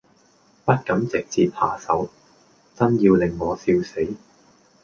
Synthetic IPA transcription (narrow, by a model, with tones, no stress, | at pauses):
pɐ˥t̚kɐ˨˥mt͡sɪ˨˩k̚t͡siː˨p̚ha̰ː˨˩sɐ˨˥w | t͡sɐ˥njiː˧wlɪ˨ŋːɔː˨˧siː˧wse˨˥j